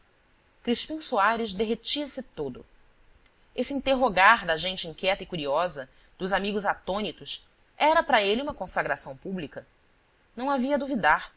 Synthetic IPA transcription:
kɾiʃpĩsuaɾɪzd̪eɦet͡ʃiɐsɪt̪od̪ʊ̰ | esiĩnt̪eɦoɡaɾd̪ɐʒẽj̃t͡ʃɪĩŋkʲɛt̪ɐikuɾiɔzɐ | d̪̥ʊzamiɡʊzat̪õnit̪ʊs | ɛɾɐpɾɐeliũmɐkõsaɡɾasɐ̃w̃publikɐ | nɐ̃w̃aviɐd̪ovid̪aɾ

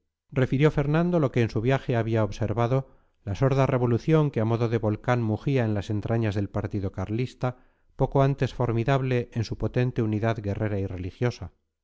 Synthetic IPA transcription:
re̞fiɾjo̞fe̞ɾnãnd̪o̞lo̞ke̞ːnsuβ̞jaxeaβiaoβse̞ɾβaðo̞ | laso̞ɾðare̞β̞o̞luθjo̞ŋkeamo̞ðo̞ðeβo̞lkanmuxiae̞nlase̞nt̪ɾaɲazðe̞lpaɾt̪iðo̞kaɾlist̪a | po̞koant̪e̞sfo̞ɾmiðaβle̞ʔːnsupo̞t̪e̞nt̪e̞uniðaðɡe̞rʔe̞ɾaire̞lixjo̞sa

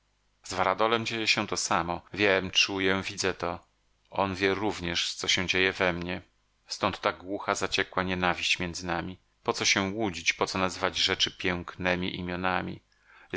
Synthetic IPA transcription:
z̥vaɾad̪ɔlɛmd͡ʑejɛɕɛ̃t̪ɔsamɔvʲjɛmt͡ʂujɛ̃vʲid̪zɛt̪ɔ | ɔnvʲjɛɾuvɲɛʂt̪sɔɕɛ̃w̃d͡ʑejɛvɛmɲɛ | st̪ɔnt̪ːaɡwuxazat͡ɕɛkwaɲɛnavʲiɕt͡ɕmʲjɛnd̪zɘnamʲi | pɔt̪sɔɕɛ̃wud͡ʑit͡ɕpɔt̪sɔnazɘvad͡ʑʐɛt͡ʂɘpʲjɛŋknɛmʲḭʔḭmʲjɔnamʲḭ

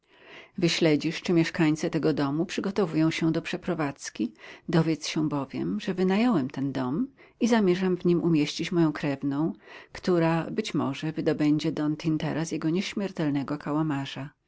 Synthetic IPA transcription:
vɘɕlɛd͡ʑiʂt͡ʂɘmʲjɛʂkaɲʲt̪sɛt̪ɛɡɔd̪ɔmupʂɘɡɔt̪ɔvujɔ̃w̃ɕɛd̪ɔpʂɛpɾɔvat̪skʲid̪ɔvʲjɛt̪sɕɛ̃bɔvʲjɛ̰mʐɛvɘnajɔwɛmt̪ɛnd̪ɔm | izamʲjɛʐamvɲimʔumʲjeɕt͡ɕit͡ɕmɔjɔ̃w̃kɾɛvnɔ̃w̃kt̪uɾabɘt͡ɕmɔ̰ʐɛvɘd̪ɔbɛɲd͡ʑɛd̪ɔnt̪ʰint̪ɛ̰ɾasjɛɡɔɲɛɕmʲjɛɾt̪ɛlnɛɡɔkʰawamaʐa

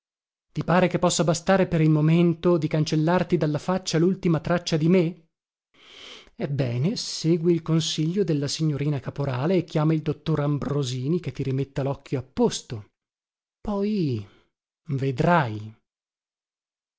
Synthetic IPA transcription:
t̪ipaːɾekepːɔsːabast̪aːɾepeɾilmoment̪od̪ikant͡ʃelːart̪id̪alːafat͡ʃːalult̪imat̪ɾat͡ʃːad̪ime | ebːɛːneseːɡwiːlkonsiʎːod̪elːasiɲːoɾiːnakapoɾaːleːkːjaːmaild̪ot̪ːoɾambɾoziːniket̪ːiɾimet̪ːalɔkːjoapːost̪o | pɔj | ved̪ɾaj

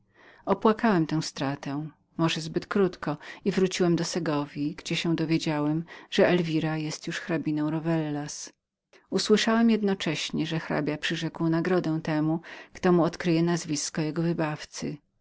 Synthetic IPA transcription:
ɔpwakawɛmt̪ɛ̃w̃st̪ɾat̪ɛ̃ | mɔʐɛzbɘt̪kɾut̪kɔivɾut͡ɕiwɛmd̪ɔsɛɡɔvʲiɡd͡ʑɛɕɛw̃d̪ɔvʲjed͡ʑawɛmʐ̥ɛɛlvʲiɾajɛst̪juʂxɾabʲinɔ̃w̃ɾɔvɛlːas | uswɘʂawɛmjɛd̪nɔt͡ʂɛɕɲɛʐɛxɾa̰bʲjapʂɘʐɛkwnaɡɾɔd̪ɛw̃t̪ɛmukt̪ɔmuɔt̪kɾɘjɛnazvʲiskɔjɛɡɔvɘbaft̪sɘ̰

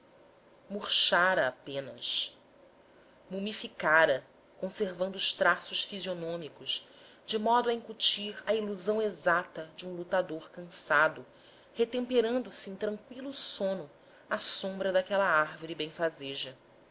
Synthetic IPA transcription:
muɾʃaɾɐːpẽnɐ̰ʃ | mumifikaɾɐ | kõseɾvɐ̃nd̪ʊːʃt̪ɾasʊʃfizionõmikʊʃ | d͡ʒɪmɔd̪ʊɐĩŋkut͡ʃiɾɐiluzɐ̃w̃ezat̪ɐd͡ʒɪũlut̪ad̪oɾkɐ̃sad̪ʊ | het̪ẽmpeɾɐ̃nd̪ʊsɪẽt̪ɾɐ̃ŋkwilʊsõnʊ | asõmbɾɐd̪akɛlɐaɾvoɾibẽj̃fazeʒɐ

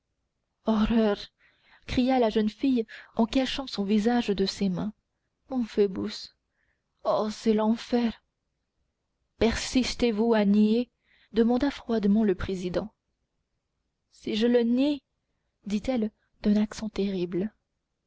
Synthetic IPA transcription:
ɔʁœʁ | kχijalaʒənfijɑ̃kaʃɑ̃sɔ̃vizaʒd̪əsemɛ̃ | mɔ̃febus | ɔsɛlɑ̃fɛʁ | pɛʁsist̪evuanie | d̪əmɑ̃d̪afχwad̪mɑ̃ləpχezid̪ɑ̃ | siʒələni | d̪it̪ɛl | d̪ɛ̃naksɑ̃t̪eʁibl

